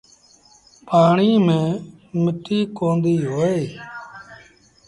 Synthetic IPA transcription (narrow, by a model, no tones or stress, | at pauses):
paːɳiːmẽː | mɪʈiːkoːnd̪iːɦoːeː